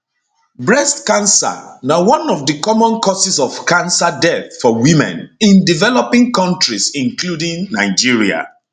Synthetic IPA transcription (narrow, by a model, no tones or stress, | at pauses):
bɹɛstkãnsa̰nawɔ̃nɔvdəkɔmɔ̃nkɔsisɔvkãnsadɛθfɔwimɛ̰̃nĩndivɛlɔpĩŋkɔ̃ntɹisĩŋkludĩŋnaɪd͡ʒiɹia̰